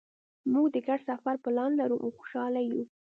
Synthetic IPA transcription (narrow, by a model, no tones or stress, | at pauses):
muɡd̪əɡaɖsafaɾpəlɑnlaɾuʔawxo̥ʃɑlaju